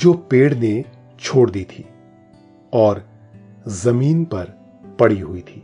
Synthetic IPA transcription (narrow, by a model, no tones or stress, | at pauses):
d͡ʒoːpeːɽne | t͡ʃʰoːɽd̪iːt̪ʰiː | ɔːɾ | zɐmiːnpɐɾ | pɐɽiɦʊit̪ʰiː